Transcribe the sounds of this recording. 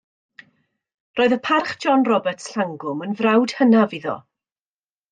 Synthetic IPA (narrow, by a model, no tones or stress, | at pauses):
roːɨðəpʰarχd͡ʒɔnrɔbɛrtsɬaŋɡʊmənvrawd̥hənaviðɔ̰